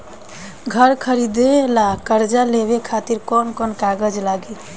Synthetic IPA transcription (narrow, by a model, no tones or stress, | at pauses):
ɡʱəɾkʰəɾid̪elakəɾd͡ʒaleβekʰat̪iɾkɔnkɔnkaɡəd͡ʒlaɡi